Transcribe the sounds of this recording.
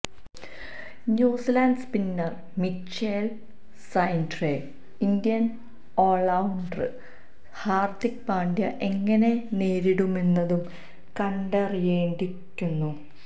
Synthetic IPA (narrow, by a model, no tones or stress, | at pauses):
njuːsilaːnɖspinːɐr | mit͡ɕːel | sɐjndre | ind̪ijɐn | oːɭɐwɳɖrɨ | haːrt̪ik̚paːɳdjɐʔe̞ŋːɐne̞ne̞ːɾiɽumenːɐðum | kɐɳɖɐrijeːɳɖikʲːunːu